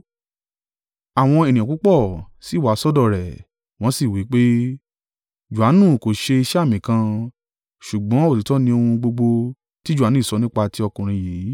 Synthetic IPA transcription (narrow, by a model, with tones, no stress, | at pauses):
a˨w̃ɔ̃˧e˨nĩ˨ã˨ku˦k͡pɔ˦˨si˦˨wa˨˦sɔ˦dɔ˦˨ɾɛ˨ | w̃ɔ̃˦si˦˨wi˨˦k͡pe˦ | d͡ʒu˨a˨˦nũ˦˨ko˨ʃe˧i˧ʃɛ˦a˦˨mĩ˨kã˧ | ʃu˨ɡ͡bɔ̃˨˦o˦˨ti˨˦tɔ˦nĩ˧o˧hũ˧ɡ͡bo˧ɡ͡bo˧ | ti˦d͡ʒu˦˨a˨nũ˦i˦˨sɔ˨˦nĩ˦k͡pa˧ti˧˦ɔ˧kũ˨ɾ̃ĩ˧jiː˨˦